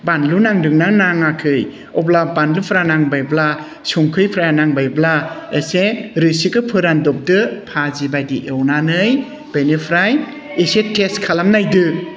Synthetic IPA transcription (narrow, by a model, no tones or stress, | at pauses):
banlunaŋdɯŋnaŋnaŋːakʰɯj | ɔblabanlupʰɾanaŋbajbla | suŋkʰɯjpʰɾajanaŋbajblaeseɾɯsikɯpʰɯɾandɔp̚dɯpʰazibajdiʔewnanɯj | benipʰɾaj | eseteskʰalamnajdɯ